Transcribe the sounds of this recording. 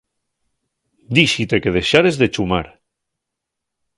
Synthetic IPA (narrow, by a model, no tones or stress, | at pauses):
d̪iʃit̪eke̞ð̞e̞ʃaɾezðet͡ʃumaɾ